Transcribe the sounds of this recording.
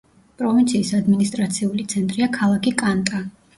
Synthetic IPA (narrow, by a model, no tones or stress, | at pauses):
pʼɾɔvint̪sʰiːsad̪minist̪ʼɾat̪sʰiulit̪sʰɛnt̪ʼɾiakʰalˠakikʼant̪ʼa